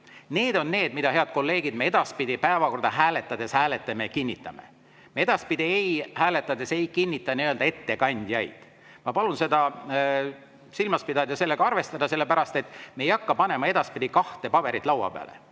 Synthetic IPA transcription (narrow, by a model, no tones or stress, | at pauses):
ne̞ːd̪o̞nːe̞ːd̪mid̪̥ɑhe̞ɑd̪̥̚ko̞lːe̞ːɡid̪mee̞d̪̥ɑspid̪ʲipæevɑko̞rd̪ɑɦæːle̞t̪ːˑɑd̪̥e̞shæːlet̪ːˑemekinʲːit̪ːˑɑme̞̰ | mee̞d̪̥ɑspid̪̥ʲiejhæːle̞t̪ːˑɑd̪e̞se̞jkinʲːit̪ːˑɑniøld̪ɑe̞t̪ːe̞kɑnʲd̪̥ʲjɑjd̪̥ | mɑpɑlunse̞d̪ɑ | silmɑspid̪ɑd̪jɑse̞lːe̞ɡ̥ɑɑrve̞st̪ɑd̪̥ɑselːe̞pæɾɑst̪e̞t̪ːˑmejɑkːɑpɑne̞mɑe̞d̪̥ɑspid̪̥ʲikɑht̪e̞pɑbe̞ɾit̪ˑlɑwɑ̰pḛɑ̰lḛ